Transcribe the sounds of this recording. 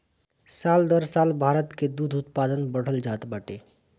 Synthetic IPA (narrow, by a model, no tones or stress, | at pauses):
saːld̪əɾsaːlbʱaːɾət̪ked̪uːd̪ʱʊt̪paːd̪ənbəɽ̤əld͡ʒaːt̪bəʈeː